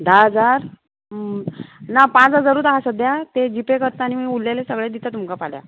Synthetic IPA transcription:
d̪aɦəd͡zaɾ | napãt͡sɦəd͡zaɾuːt̪ɦasəd̪ʱjat̪ed͡ʑipekəɾt̪aanimiulːelesəɡɭed̪it̪at̪umkapalja̰

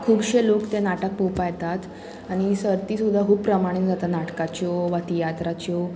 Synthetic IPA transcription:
kʰuːbɕelokt̪enaʈək̚powpajt̪at̪ | aɽ̃isəɾt̪iːsud̪ʱːaɦuːbpːɾəmaɽ̃iːkd͡zat̪anaʈkat͡ɕɔʋat̪ijat̪ɾat͡ɕɔ

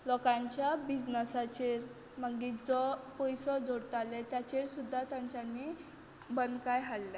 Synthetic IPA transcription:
lɔkãɲt͡ɕjabid͡znəsat͡ɕeɾ | məɡid͡zɔpɔjsɔd͡zʱoɽʈ̪alet̪jat͡ɕeɾsud̪ʱːat̪jãɲt͡ɕanːi | bənd̪kajɦaɽle

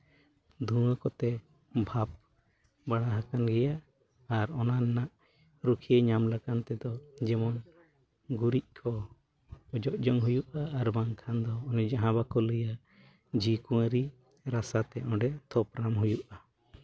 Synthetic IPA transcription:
d̪ʱuwəkɔt̪ɛ | bʱap̚ | baɽ̃aɦakanɡɛjaː | ɾɔnanɛnaʔ | ɾukʰiəɲamlakant̪ɛd̪ɔd͡ʒɛmɔn | ɡuɾiʔ̚kʰɔ | ɔd͡ʒɔʔd͡ʒɔŋɦujuʔaːɾbaŋkʰand̪ɔːnɛd͡ʒaɦãbakɔləja | d͡ʒikũəɾi | ɾasat̪ɛɔ̃ɖɛt̪ʰɔpɾamɦujuʔa

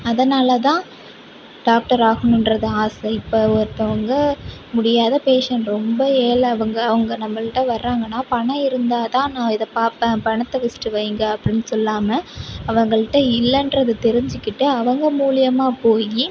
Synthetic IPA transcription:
ɐðɐnaːlɐt̪ãː | ɖaːk̚ʈɐɾaːɣɐɳʊ̃nɾɐðɯaːsɐɪpːɐɔɾɯt̪ːɐʋɐŋɡɐmʊɽɪjaːðɐpeːʂɐnɾɔmbɐeːlɐɐʋɐŋɡɐːʋɐŋɡɐnɐmːɐɭɪʈːɐʋɐɾːaːŋɡɐnːaːpɐɳɐ̃ɪɾɯnd̪aːt̪ãːnãːɪðɐpaːpɐpɐɳɐt̪ːɐʋɐsʈɯʋɐɪŋɡɐɐpːɐɽɪnːɯsɔlːaːmɐɐʋɐŋɡɐɭɪʈːɐɪlːɐndɾɐðɯt̪ɛɾɪɲd͡ʒɪkːɪʈːɯɐʋɐŋɡɐmuːlɪjɐmaːpoːji

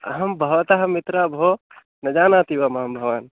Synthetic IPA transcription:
ɐ̰ɦɐmbʱɐʋɐt̪aɦɐmit̪ɾaːbʱo | nɐd͡ʒaːnaːt̪iʋɐmɐɦɐmbʱɐʋaːn

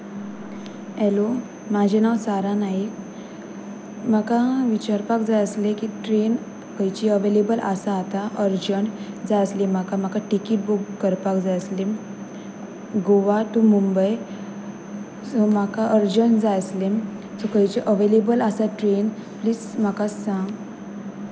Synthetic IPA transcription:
ɦɛlo | mad͡ʑʱenaʋsaɾanaɦi | m̤akaʋit͡ɕaɾpakd͡zajəslekiʈɾen | kəjt͡ɕiəʋelebəlʔasaːt̪aʔəɾd͡ʑəɳ | d͡zajəslim̤akam̤akaʈikiːʈ̚bukkəɾpakd͡zajəslim | ɡoʋat̪umumbəj | som̤akaʔəɾd͡ʑəɳd͡zajəslemsokəjt͡ɕeʔəʋelebəlasaʈɾen | pliːsm̤akasãŋɡ

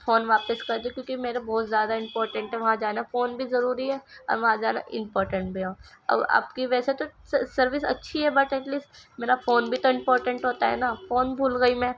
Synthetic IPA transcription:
foːnʋaːpɪskɐɾd̪ekjõːkimeːɾebɔːt̪zjaːd̪aɪ̃mpɔːɾʈə̃ɳʈɦɛʋɐɦãd͡ʒaːnafoːnbʱizɐɾuːɾiɦɛːɔ̰ːɾʋɐɦãd͡ʒaːna̰ʔɪ̰̃mpɔːɾʈə̃ɳʈ̚bʱiãɐ̰ba̰ːpkiʋɛːset̪osɐɾʋɪsɐ̰tːʃʰiɦɛbɐʈɛʈliːsʈmeːɾafoːnbʱit̪oɪ̃mpɔːɾʈə̃ɳʈɦoːt̪aɦɛ̰naːfoːnbʱuːlɡɐimɛ̃

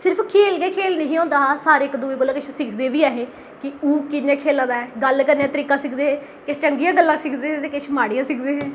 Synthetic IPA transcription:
sɪɾpʰkʰeːlɡeːkʰeːlnəɦĩːɔ̃ːnd̪aːɦːsaːɾeːkd̪uːeːɡolaːkɪt͡ʃʰsɪkʰd̪eːʋiːaːɦẽː | kɪuːkɪnãːkʰeːlãːd̪aːɛːɡəlkəɾneãːt̪əɾiːkãːsɪkʰd̪eːɦeː | kɪt͡ʃəŋɡijãːɡəlːãːsɪkʰd̪eːɦet̪eːkɪt͡ʃʰmaːɽijãːsɪkʰd̪eːɦẽː

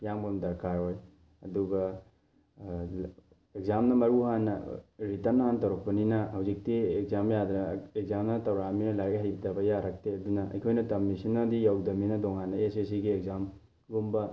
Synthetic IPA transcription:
pijaŋbomdɐɾkʰaɾoj | ɐduɡɐ | ek̚zamnɐmɐɾuhanːɐ̰ɾitɐɾnɐhantɐwɾɐk̚pɐninɐhɐwzik̚tiek̚zamjad̪nɐek̚zamnɐtɐwɾaminɐlajɡeɦajbitɐbɐjaɾɐk̚teɐdunɐʔɐ̰jkʰojnɐtɐmːisinːadijawdɐminɐdoŋanːɐesesiɡiekzam | ɡumbɐ

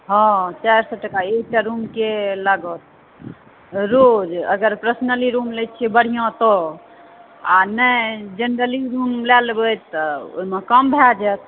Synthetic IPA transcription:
ɦɔ̃t͡ʃaɾsɔʈəkaeʈaɾumkeləɡət̪̚ | ɾod͡ʒə̰ɡəɾpɾəsnəliɾumlɛt̪̚t͡ʃʰɛbəɽ̤ijõt̪ɔ | a̰nəd͡ʒənɾəliɾumlɛlbət̪ːɔo̰imekəmbʱɛd͡ʒɛt̪

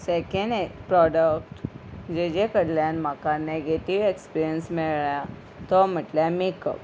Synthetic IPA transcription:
sekeɳɖpɾɔɖəkʈd͡ʑed͡ʑekəɽljanm̤akaneɡeʈiʋekspiɾijənsmiɭɭja | t̪ɔm̤əʈljamekə̰p̚

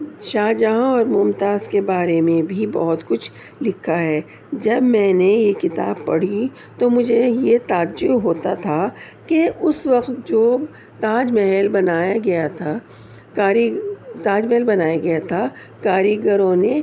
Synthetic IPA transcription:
ʃaːd͡ʒaːɦɔːɾmʊmt̪aːzkebaːɾemẽbʱibɔ̰ɦʊt̪kʊt͡ʃʰ | lɪkʰːaɦɛː | d͡ʒɐbmɛ̃ːnejekɪt̪a̰ːb̚pɐ̰ɽ̤i | t̪omʊd͡ʒʱejet̪aːd͡ʒʊbɦoːt̪at̪ʰa | keʔʊswɐqt̪d͡ʒoː | t̪aːd͡ʒmɛɦɛlbɐnaːjaɡɐjat̪ʰa | kaːɾt̪aːd͡ʒmɛɦɛlbɐnaːjaɡɐjat̪ʰa | kaːɾiɡəɾõne

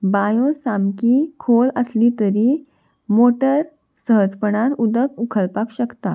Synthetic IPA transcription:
bajosamkikʰoləslit̪əɾi | moʈəɾ | səɦəd͡zpəɳ̃aɾud̪əkukʰəlpakɕəkt̪a

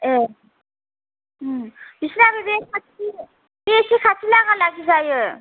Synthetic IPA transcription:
e | bʱisnabibekʰat͡si | besʰikʰat͡sʰilaŋalaɡisajo

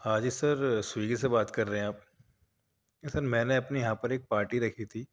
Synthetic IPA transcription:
aːd͡ʒisɐɾswiːɡsebaːt̪kɐɾːɐɦɛ̃aːp̚ | sɐɾmɛ̃ːneɐpnijɐɦãːpɐɾeːk̚paːɾʈiɾɐkʰit̪ʰiː

